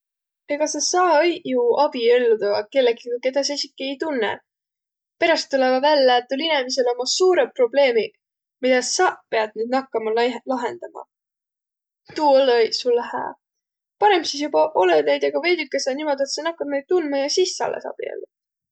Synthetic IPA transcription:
eɡ̥ɑsɑsɑːjuɑb̥ie̞lːud̪ɑɑke̞lːeɡikɑke̞d̪̥ɑsesʲikːˑie̞jt̪unːḛ | pe̞ɾɑst̪ːulevɑvælːet̪ːˑulinemis̬e̞lo̞mɑsuːɾepro̞ble̞ːmi | mid̪ɑsɑpe̞ɑd̪̥̚nyːd̪nɑkːɑmɑllɑɦe̞nd̪̥ɑmɑ̰ | t̪uːolojsulːæhæ̰ː | pɑɾe̞msis̬jubɑʔo̞led̪nejd̪̥ɑɡ̥ɑve̞jd̪ykːˑesɑnimo̞d̪̥et̪sɑnɑkːɑbmejd̪̚t̪unmɑjɑsisːɑ̰lːʔḛsɑ̰b̥ḭḛlːut̪

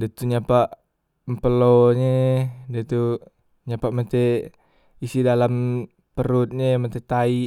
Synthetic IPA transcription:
det̪uɲapaʔ | mpəloɲedet̪u | ɲapaʔmət̪e | isidalam | pəɾut̪̚ɲemət̪et̪ai

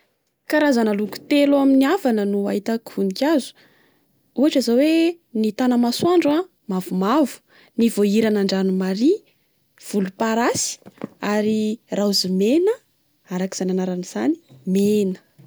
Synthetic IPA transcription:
kaɾazanəluku̥t̪elaminiavanənuaɦit̪akunikʲazu̥ | uaʈ͡ʂazawe | nit̪anəmaswaɳɖ͡ʐua | mavumavu̥ | nivoiɾanaɳɖ͡ʐanumaɾi | v̥ulupaɾasi̥aɾirauzimenə | aɾaki̥z̥ananaɾaniz̥ani̥menə̥

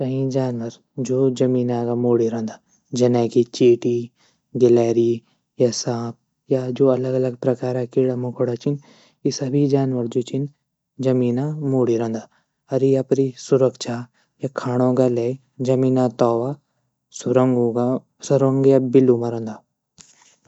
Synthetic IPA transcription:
kɐɦĩd͡ʒaːnʋəɾ | d͡ʒoːd͡ʒɐmiːnãkamoːɽiɾɐ̃nd̪aː | d͡ʒɐnɛ̃ːkit͡ʃeːʈi | ɡɪlɛːɾi | jasãːp̚ | jad͡ʒoːɐləɡɐləɡ̚pɾɐkaːɾakiːɽamũkʰoɽat͡ʃin | isɐbʱid͡ʒaːnʋəɾd͡ʒoːt͡ʃɪn | d͡ʒɐmiːnãmoːɽiɾə̃nd̪aː | ɐɾiɐpɾisʊɾəkʃaː | jakʰaːɽ̃õɡale | d͡ʒəmiːnat̪ɔːʋaː | sʊɾəŋɡuɡa | sʊɾəŋɡjabɪlːumãɾə̃nd̪aː

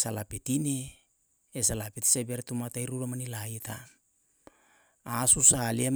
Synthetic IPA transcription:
salapetine | esalapeti̥sebeɾetumatajɾuɾamanilaita | asusaliem

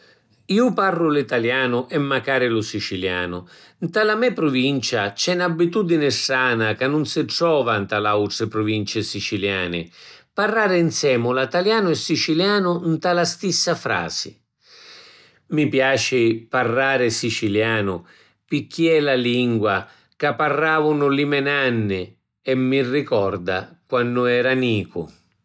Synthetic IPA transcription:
iːʊparːʊlit̪aljaːnʊʔɛmːakaːɾɪlʊsit͡ʃilja̰ːnʊ̰ | nt̪alamɛpɾʊvint͡ʃat͡ʃɛnabːit̪ud̪inɪsaːnakanːʊnsɪʈɾɔːvant̪alauʈɪpɾʊvint͡ʃɪsit͡ʃiljaːnɪ̰parːaːɾɪnsɛːmʊlat̪aljaːnʊɛsːit͡ʃiljaːnʊnt̪alast̪isːafɾa̰ːz̥ɪ̰ | mipjaːt͡ʃɪparːaːɾɪsit͡ʃiljaːnʊ | pɪkʰːiɛlaliŋɡwa | kapːarːaːvʊnʊlimɛnanːɪ | ɛmːirːikɔrd̪a̰kwanːʊɛːɾaniːkʊ̰

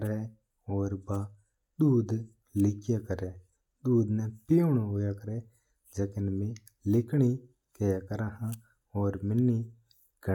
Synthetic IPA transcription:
ɾe | ɔːɾba | d̪uːd̪ | lɪkjakəɾe | d̪uːd̪nepiʊɳɦoːjakəɾe | d͡ʒəkɪnmẽ | lɪkɽi | kejakəɾaɦã | ɔːɾmɪnːi | ɡə

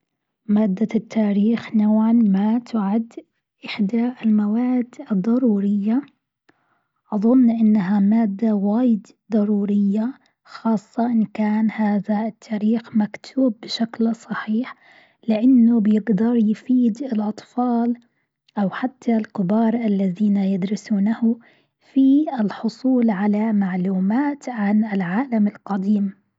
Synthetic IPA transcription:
maːd̪ːat̪ʰːaːɾiːxnoːʕanmat̪ʊʕad̪ː | ʔɪħd̪aʔɪlmawaːd̪ɨd̪ˤːɑɾˤuːɾɪjːa | ʔɑðˤʊnːʔɪnːaɦamaːd̪ːawaːjɪd̪ | d̪ˤɑɾˤuːɾɪjːa | xɑːsˤːɑʔɪnkaːnhaːðaɪt̪ʰːaːɾiːxmakt̪ʰuːbːɪʃaklsˤɑħiːħ | lɪʔanːʊbjɪɡd̪ɑɾˤjfiːd̪ɪlʔɑt̪ˤfɑːl | ʔawħat̪ʰːalkɪbɑːɾˤʔalːaðiːnajɪd̪ɾɪsuːnahʊ | fiɪlħʊsˤuːlʕalamaʕluːmaːt̪ʕanɪlʕaːlamɪlqɑd̪iːm

